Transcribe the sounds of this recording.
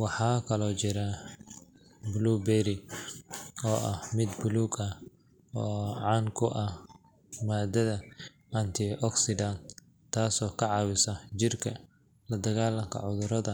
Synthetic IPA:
wɑħɑːkʰɐlɔːt͡ʃɪɾɐ | bluːbɛɾɪ | ɔːʔɐ̰hmɪd̪bʊluːɡɐ | ɔːʕɑːŋkʰʊʔɐh | maːd̪ɐðɐ | ʔɐnt̪ʰɪʔɔksɪdɐn | t̪ʰaːsɔːkʰɐʕɑːwɪsɐt͡ʃɪrkʰɐ | lɐd̪ɐɣaːlɐŋkʰɐ̰ʕʊðʊɾɐðɐ

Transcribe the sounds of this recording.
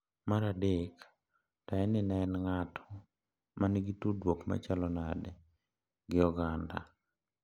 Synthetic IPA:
maɾadek | taɛnɪnaɛnŋatʰɔ̥ | maniɡitudwokma̰t͡ʃalɔnadɛ | ɡɪɔɡanda̰

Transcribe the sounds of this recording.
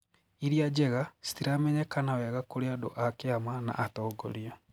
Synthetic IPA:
iɾiad͡ʒɛɣasi̥tiɾamɛɲɛkanawɛɣakoɾeado̰ʔakeamana̰ʔːtɔːɡo̰ɾiɔ

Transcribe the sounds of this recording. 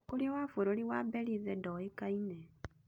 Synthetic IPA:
kuliewafoɾoliwabeliðedɔekaine

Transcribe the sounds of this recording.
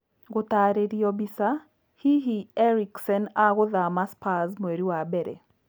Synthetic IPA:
ɡʊt̪aɾeɾiɔbisa | hiɦiɛɾiksɛnaɡʊðamaspazmweɾiwabɛɾɛ̰

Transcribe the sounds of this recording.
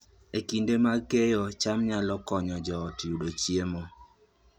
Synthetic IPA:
ekindemakejɔt͡ʃamɲalɔkɔɲɔd͡ʒɔːtjuɗot͡ʃiemɔ

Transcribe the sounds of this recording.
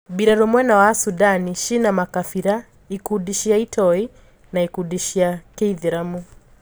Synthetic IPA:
biɾaɾɔmwɛnawasudaniʃinamakafiɾa | ikudiʃiaitʰɔi | naikuɗiʃiakɛiðiɾamu

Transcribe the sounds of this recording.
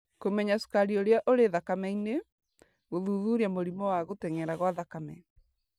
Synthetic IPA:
komɛɲasu̥kaɾioɾeaʔoɾeðakamɛine | ɣoðuðuɾiamoɾimɔwaɣotɛŋɛɾaɣwaðakamɛ̰

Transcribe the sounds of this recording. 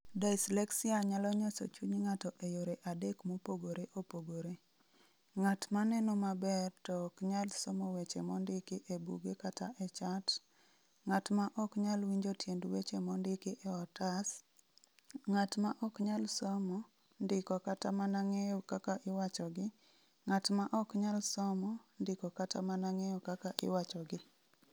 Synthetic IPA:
daslɛksiaɲalɔɲɔsɔ̰t͡ʃuɲŋatɔʔejoɾeʔadekmopoɡoɾeʔopoɡoɾe | ŋatmanɛnomabɛrtɔkɲalsɔmɔwet͡ʃemɔndɪkɪʔebṵɡekataʔɛt͡ʃat | ŋatmaʔɔkɲalwiɲd͡ʒotjendwet͡ʃemɔndɪkɪʔɛɔtas | ŋatmaʔɔkɲalsɔmɔ | ndɪkɔkatamanaŋejokakaʔɪwat͡ʃɔɡɪ | ŋatmaʔɔkɲalsɔmɔndɪkɔkatamanaŋejokakaʔɪ̰wat͡ʃɔɡɪ

